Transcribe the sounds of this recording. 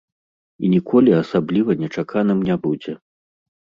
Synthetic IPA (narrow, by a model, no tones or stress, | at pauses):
ḭnʲikʰɔlʲiasablʲivɐnʲɛt͡ʂakʰanɨmnʲabud͡zʲɛ